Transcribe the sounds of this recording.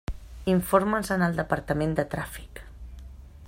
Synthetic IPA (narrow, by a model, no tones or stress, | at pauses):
iɱfoɾmənzənəlˠd̪əpəɾt̪əmend̪ət̪ɾafi̥k